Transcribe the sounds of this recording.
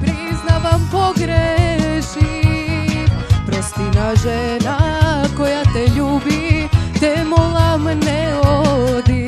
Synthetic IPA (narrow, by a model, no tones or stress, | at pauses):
pɾiznaʋampoɡɾeʃi | pɾost̪inaʒɛnakojat̪ɛʎuːbit̪emolamnɛod̪i